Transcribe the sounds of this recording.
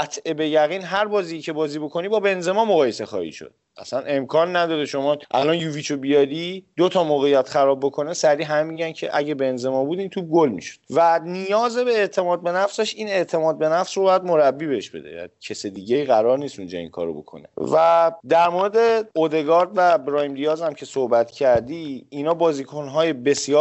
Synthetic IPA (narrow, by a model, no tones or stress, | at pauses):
æt̪ʰebejæɣiːnɦæɾbɒːzijicʰe̞bɒːziːbo̞kʰo̞nibɒːbe̞nze̞mɒːmoɣɒːje̞se̞xɒ̰hḭʃo̰d̪̥̚ | æ̰sænʔe̞mkʰɒːnːæd̪ɒːɾeʃo̞mɒʔæ̰lɒːnjuvit͡ʃʰobijɒɾid̪̥ot̪ʰɒmoːɣejːæt̪xæɾɒːbːo̞kʰo̞nesæɾiːɦæmemiɟæncʰḛʔæɟebe̞nze̞mɒːbud̪iːnt̪ʰub̚ɡolmḭʃo̥d̥vænijɒːze̞be̞ːʔt̪ʰe̞mɒːd̪̚be̞næfseʃiːne̞ʔt̪ʰe̞mɒːd̪̚be̞næfsrobɒjæd̪mo̞ɾæbːibeheʃbe̞̰d̪e̞̰æ̰cʰesed̪iːɟeiːɣæɾɒɾniːst̪und͡ʒɒ̰ːḭŋkʰɒ̰ːɾobo̞̰kʰo̰nevæd̪æɾmoɾed̪e̞od̪e̞ɡɒɾd̪væbɾɒimɾijɒːzæmcʰe̞sohbæt̪ʰcʰæɾd̪iːnɒːbɒːzikʰonɦɒːje̞be̞sjɒː